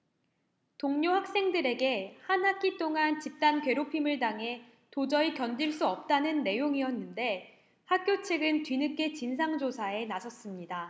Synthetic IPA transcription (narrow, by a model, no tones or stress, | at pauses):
toŋɲoɸak̚s͈e̞ŋdɯɾe̞ɡe̞hanɦak͈it͈ʰoŋant͡ɕip̚t͈ankɥwe̞ɾopʰimɯɭdaŋɦe̞ | tod͡ʑʌikjʌnd͡ʑiɭs͈uʌp̚t͈anɯnːe̞joŋiʌnːɯnde̞ | hak̚k͈jot͡ɕʰeɡɯntɥinɯk͈e̞t͡ɕinsʰaŋd͡ʑosʰae̞nasʰʌs͈ɯmɲida